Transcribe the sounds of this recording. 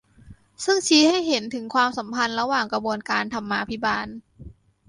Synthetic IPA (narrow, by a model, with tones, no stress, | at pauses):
sɯ˥˩ŋt͡ɕʰiː˧˥ha˥˩jɦe˩˦nt̪ʰɯ˩˦ŋkʰwaː˧msa˩˦mpʰa˧nɾa˧waː˨˩ŋka˧bu˧ənkaː˧nt̪ʰa˧mːaː˧pʰi˦˥baː˧n